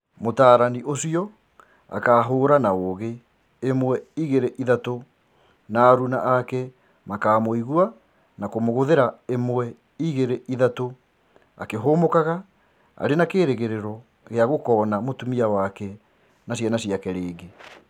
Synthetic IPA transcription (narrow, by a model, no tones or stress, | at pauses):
motaːɾaniʔosiɔ | a̰kaːɦoːɾanaoɣe | emwɛiɣeɾeʔiðato | naːɾunaʔakɛ | makaːmoiɣua | nakomoɣoðeɾaemwɛ | iɣeɾeʔiðato | a̰keɦoːmokaɣa | a̰ɾenakeːɾeɣeɾeɾɔ | ɣeaɣokɔːnamotumiawakɛ | nasjɛnasiakɛɾeːɡe